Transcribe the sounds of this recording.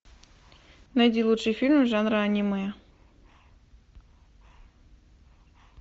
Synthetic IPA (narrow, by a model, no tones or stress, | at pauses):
nɐjd̪ʲilˠutʂɨjfʲilʲmʐanɾɨanʲimɨjə